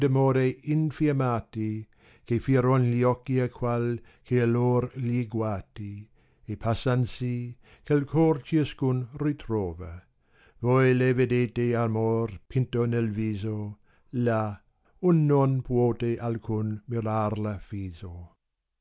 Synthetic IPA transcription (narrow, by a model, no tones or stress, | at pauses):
damoːɾeinfiamaːt̪i | kefiɾonliɔkːiakʰwal | kʰealoːɾliɡwaːt̪i | epʰasansi | kelkʰort͡ʃiaskunrit̪ɾoːva | vojlevedeːt̪eamorpʰint̪onelviːzo | la | unːonpʰwoːt̪eʔalkʰunmiɾaːrlafiːzo